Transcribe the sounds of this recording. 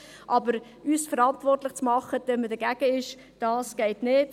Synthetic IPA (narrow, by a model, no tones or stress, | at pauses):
ʔɑbəɾ | ysfəɾɑntvɔrtlɪχt͡smɑχəd̥ɛnmədəɡ̥æɡ̥əɪʃ | d̥ɑːsɡ̥ɛɪtnɪːt